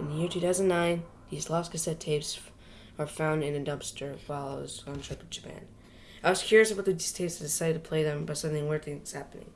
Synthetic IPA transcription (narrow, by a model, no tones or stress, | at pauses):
ɨ̃nðɨjɪɹtʰʉθaʊz̃n̩nːãɪ̃n | ðislɑskɨsɛtʰeɪps | ə˞fãʊ̃ndɨ̃nɨdʌ̃mpstə˞fɑlˠoʊz̃ntʰɹ̥ɪpʌvd͡ʒɨpʰæ̰̃n | aɪwʌz̥kʰj̥ʊɹiɨsʌvbʊt̪ðɨistʰeɪpstʰɨdɪsaɪɾɨd̚tʰɨpʰl̥eɪðɨ̃mbʌtsʌ̃dn̩ɪ̃ŋwɜ˞θɪ̃ŋtshæpənɪ̰̃ŋ